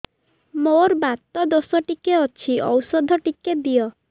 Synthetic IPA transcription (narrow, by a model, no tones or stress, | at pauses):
moɾbat̪ːɔd̪osɔʈikeɔt͡ʃʰiʔɔwsɔd̪ʱɔʈikeb̪ijɔ